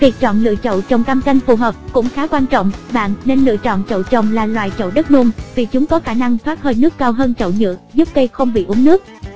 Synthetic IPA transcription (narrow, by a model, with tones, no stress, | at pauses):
ki˨˩k̚t͡ɕɔ̰˧˨nlɨ̰˧˨ət͡ɕə̰˧˨wt͡ɕə˨˩wŋ͡mkaː˧mka˧jŋ̟fu˨˩ɦəː˨˩p̚kʊ̰˧˥ŋ͡mxaː˨˦kwaː˧nt͡ɕɔ̰˧˨ŋ͡mɓa̰ː˧˨nːe˧nlɨ̰˧˨ət͡ɕɔ̰˧˨nt͡ɕə̰˧˨wt͡ɕə˨˩wŋ͡mlaː˨˩lwa̰ː˧˨jt͡ɕə̰˧˨wɗə˦˥t̚nu˧mvi˨˩t͡ɕʊ˨˦ŋ͡mkɔ˨˦xaː˧˩na˧ŋt̪ʰwaː˦˥t̚həː˧jnɨ˦˥əkːaː˧wɦəː˧nt͡ɕə̰˧˨wɲɨ̰˧˥əzu˦˥p̚kə˧jxə˧wŋ͡mɓḭ˧˨ʔʊ˨˦nɨ˦˥ək̚